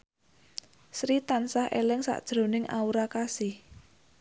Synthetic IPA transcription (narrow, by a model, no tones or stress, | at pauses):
sɾit̪ansahḛlɪŋsa̰ʔd̥ʒ̥ɾo̤nɪŋʔa̰uɾakasɪh